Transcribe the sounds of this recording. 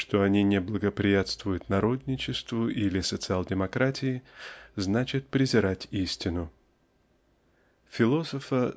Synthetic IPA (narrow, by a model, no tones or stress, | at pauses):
ʂt̪oɐnʲinʲɪblˠəɡəpɾʲɪjat̪st̪vʊjʊt̪nɐɾo̞d̪ʲnʲɪt͡ɕɪst̪vʊʔilʲɪsət̪sɨalˠdʲɪmɐkɾatʲɪɪznat͡ɕɪt̪̚pɾʲɪzʲɪɾatʲisʲtʲɪnʊ | fʲɪlˠo̞səfə